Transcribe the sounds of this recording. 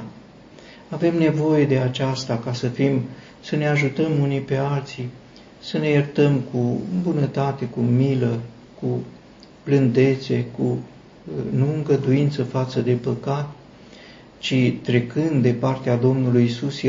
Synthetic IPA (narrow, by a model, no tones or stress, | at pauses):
ave̞mne̞vo̞je̞d̪e̞at͡ʃast̪akasəfim | səne̞aʒut̪əmunipe̞alt̪si | səne̞jert̪əmkubunət̪at̪e̞kumilə | ku | b̥lɨnd̪e̞t̪se̞ku | nuɨŋɡəd̪uint̪səfat̪səd̪e̞pəkat̪ | t͡ʃit̪ɾe̞kɨnd̪d̪epart̪ead̪o̞mnulujːsus